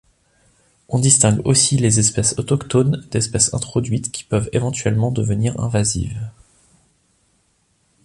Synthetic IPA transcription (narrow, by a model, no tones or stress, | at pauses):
ɔ̃d̪ist̪ɛ̃ɡosilezɛspɛsɔt̪ɔkt̪ond̪̥ɛspɛsɛ̰̃t̪χɔd̪ɥit̪kʲi̥pœvevɑ̃t̪ɥɛlmɑ̃d̪əvəniʁɛ̰̃vazḭv